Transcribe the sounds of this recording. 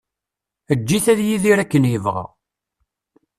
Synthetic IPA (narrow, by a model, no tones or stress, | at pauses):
əd͡ʒːiθæðjiðiɾækːənjəvʁa̰